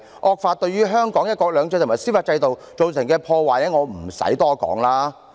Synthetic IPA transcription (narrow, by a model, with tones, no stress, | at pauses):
ʔɔː˧k̚faː˧t̚t̪ɵ˧ɥjɥyː˥ɦœː˥ŋkɔː˨˥ŋjɐ˥t̚kɔː˧k̚lœː˨˧ŋt͡sœː˧t̪ʰma˨˩siː˥faː˧t̚t͡sɐ˧jt̪o˨wt͡so˨wsɪ˨˩ŋkɛː˧pʰɔː˧waː˨jɛ˨˥ŋɔː˨˧m̩˨˩sɐ̰˨˥jt̪ɔː˥kɔ̰ː˨˥ŋlaː˥